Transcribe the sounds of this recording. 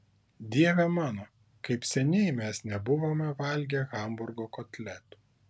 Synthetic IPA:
d̪ʲiɛʋʲɛmɑːno | kɐɪpsʲɛnʲɛɪmʲɛsnʲɛbʊʋoːmʲɛʋɐˑlʲɡʲɛɣɐˑmbʊɾɡoːkot̪ʲlʲɛt̪u̥

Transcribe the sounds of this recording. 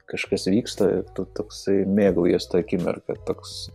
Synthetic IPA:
kɐʃkɐsʋʲiːkst̪ɐɪ̰ɾt̪ut̪oːksɐɪmʲeːɡɐʊjist̪ɐɐkʲɪmʲɛ̰rkɐt̪oːks

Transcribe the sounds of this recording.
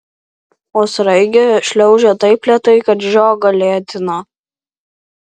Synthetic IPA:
oːsɾɐɪɡʲeʃʲlʲɛʊʒʲɛt̪ɐɪplʲɛt̪ɐɪkɐt̪ʒʲoːɡɐlʲeːt̪ʲɪnɐ

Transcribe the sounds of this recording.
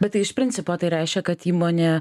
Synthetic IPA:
bʲɛt̪ːɐɪɪʃpʲɾʲɪnt̪sʲɪpoːt̪ɐɪɾʲæɪʃʲkʲɛkɐt̪iːmoːnʲeː

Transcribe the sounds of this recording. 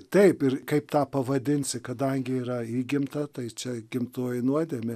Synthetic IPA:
t̪ɐɪpɪrkɐɪpt̪ɑːpɐʋɐd̪ʲɪnʲsʲɪkɐd̪ɐŋʲɡʲɪiːɾɐiːɡʲɪmt̪ɐt̪ɐɪt͡ʃʲɛɡʲɪmt̪oːjɪnuɔd̪ʲeɛmʲɪ

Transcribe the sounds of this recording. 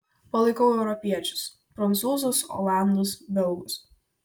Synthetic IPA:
pɐlˠɐɪkɐʊɛʊɾɔpʲiɛt͡ʃʲʊ̥s | pɾɐnt̪suːzoːsɔ̰ːlˠɑˑnd̪oːsbʲɛlˠˑɡʊs

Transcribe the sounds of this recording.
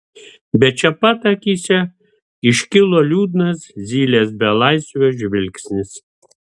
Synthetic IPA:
bʲɛt͡ʃʲɛpɑt̪ɐkʲiːsʲɛ | ɪʃʲkʲɪlˠoːlʲuːd̪nɐszʲiːlʲeːs̬bʲɛlˠɑɪsʲʋʲoːʒʲʋʲɪlʲksʲnʲɪs

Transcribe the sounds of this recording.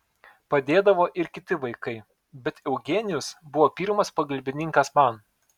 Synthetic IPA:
pɐd̪ʲeːd̪ɐʋoːʔɪɾkʲɪt̪ʲɪʋɐɪkɐɪ | bʲɛt̪ɛʊɡʲeːnʲɪjʊsbʊʋoːpʲiːɾmɐspɐɡɐlʲbʲɪnʲɪŋʲkɐsmɐˑn

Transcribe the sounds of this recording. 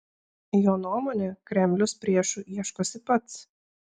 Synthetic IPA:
joːnuɔmoːnʲeːkɾʲɛmʲlʲʊspʲɾʲiɛʃʊʔiɛʃkoːsʲɪpɐt̪s

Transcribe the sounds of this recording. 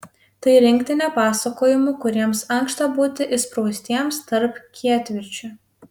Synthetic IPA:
t̪ɐɪɾʲɪŋʲkt̪ʲɪnʲɛpɑːsɐkoːjɪmʊkʊɾʲiɛmsɐŋkʃt̪ɐbuːt̪ʲɪʔɪspɾɐʊsʲt̪ʲiɛmst̪ɐɾpkʲʰiɛt̪ʲʋʲɪɾʲt͡ʃʲʊ

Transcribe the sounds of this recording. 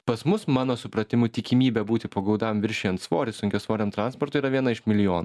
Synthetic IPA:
pɐsmʊsmɑːnoːsʊpɾɐt̪ʲɪmʊt̪ʲɪkʲimʲiːbʲɛbuːt̪ʲɪpoːɡɐʊd̪ɑmʋʲɪɾʲʃʲeːjɛnt̪sʋoːɾʲɪsʊŋʲkʲoːsʋoːɾʲɛːmt̪ɾɑːˑnspoːɾt̪ʊiːɾɐʋʲiɛnɐɪʃmʲɪlʲɪjoːnu

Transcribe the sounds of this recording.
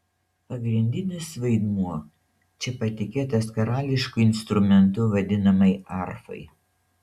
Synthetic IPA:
pɐɡɾʲɪnʲd̪ʲɪnʲɪsʋɐɪd̪muɔ | t͡ʃʲɛpɐt̪ʲɪkʲeːt̪ɐskɐɾɑːlʲɪʃkʊɪnst̪ɾʊmʲɛnt̪ʊʋɐd̪ʲɪnɐmɐɪɑɾfɐ̰ɪ

